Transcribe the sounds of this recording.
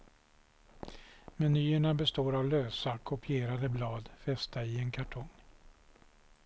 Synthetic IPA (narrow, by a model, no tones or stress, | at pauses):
mɛnyːəɳabɛst̪oːɾavløːsakʰʊpʰɪeːɾad̪əblɑːd̪fɛst̪aɪɛnkʰaʈʰɔŋ